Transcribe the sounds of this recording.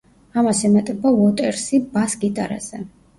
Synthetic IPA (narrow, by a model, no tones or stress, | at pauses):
amasimɛt̪ʼɛbavɔt̪ʼɛɾsibasɡit̪ʼaɾa̰z̥ɛ